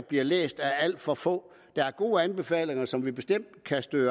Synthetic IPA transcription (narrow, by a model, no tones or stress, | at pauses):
b̥liɐlḛːsd̥ææl̰d̥fɒ̽fɔ̰̽ː | d̥ɑ̈æɐɡ̥o̝ːəænb̥e̝fɛ̰ːle̝ŋɐsɒ̽mʋib̥e̝sd̥em̰d̥kʰæsd̥øː